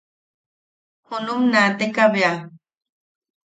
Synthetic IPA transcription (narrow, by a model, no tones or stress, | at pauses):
hunumnat̪ekaβea